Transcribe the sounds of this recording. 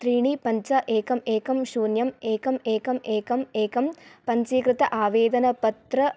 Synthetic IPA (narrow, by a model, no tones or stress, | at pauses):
t̪ɾiːɳipɐɲt͡ʃɐʔeːkɐmeːkɐmʃuːnjɐmeːkɐmeːkɐmeːkɐmeːkɐmpɐɲt͡ʃiːkɾɪt̪ɐʔaːʋeːd̪ɐnɐpɐt̪ɾɐ